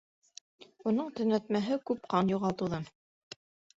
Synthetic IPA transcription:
unɤɴt̪ɵ̆næt̪mæɦɘkʉpqɑnjuʁɑlˠt̪ɤ̆wðɤm

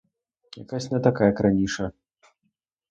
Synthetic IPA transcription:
ja̰kasʲtʲnɐt̪akajɐkɾanʲiʂɐ

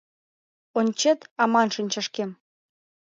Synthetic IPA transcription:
onʲt͡ɕet̪ɑmɑnʃɤnʲt͡ɕɑʃkem

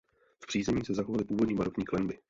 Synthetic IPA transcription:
fpr̥iːzɛɲiːsɛzaxovalɪpuːvo̞dɲiːmaɾotɲiːklɛnbɪ

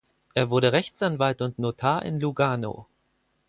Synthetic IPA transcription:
ʔeːɐvʊɐɾəʁɛçt͡sʔanvaltʊntnotʰaːɐʔɪ̰nluɡaːno̰

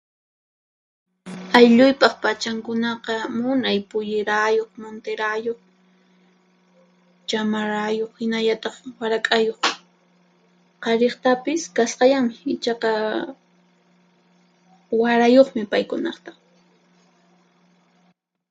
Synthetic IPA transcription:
ajʎʊjpɑχpat͡ʃaŋkʊnɑqɑmʊnajpʊjɪɾajoχmont̪eɾajoχ | t͡ʃamaɾajoχhɪnaʎat̪ɑχwaɾakʼajoχ | qɑɾeχt̪apɪskasqɑʎaŋmɪɪt͡ʃɑqɑ | waɾajoχmɪpajkʊnɑχt̪ḁ

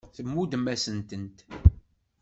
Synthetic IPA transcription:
θəmːud̪mːæsənt̪ənt̪

